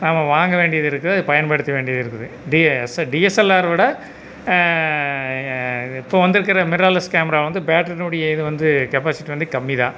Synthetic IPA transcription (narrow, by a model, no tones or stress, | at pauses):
naːmɐʋaːŋɡɐʋeːɳɖɪjɐðɪɾɯkːɐðɯɐðɯpɐjɐnpɐɽɯt̪ːɐʋeːɳɖɪjɐðɪɾɯkːɐðɯ | ɖisɖiɛsɛlːaːɾʋɪɽɐ | ɪpːoːʋɐnd̪ɯɾɯk̬ːɐɾɐmɪɾaːlɐskaːmɐɾaːʋɐnd̪ɯbaːʈːɾɐnʊɽɐjɐɪðɯʋɐnd̪ɯkɛpaːsɪʈːiʋɐnd̪ɯkɐmːiðã̰ː